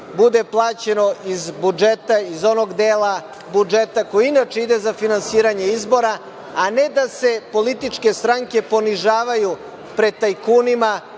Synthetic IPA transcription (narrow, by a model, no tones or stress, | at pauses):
bud̪e̞plˠaːt͡ɕe̞no̞izbud͡ʒet̪aizo̞noɡd̪eːlˠa | bud͡ʒet̪akojiinat͡ʃeid̪ezafinansiːɾaɲe̞izbo̞ɾa | ane̞d̪ase̞po̞lit̪it͡ʂke̞st̪ɾaŋke̞po̞niʒaːʋaju | pɾe̞d̪̚t̪ajkuːnima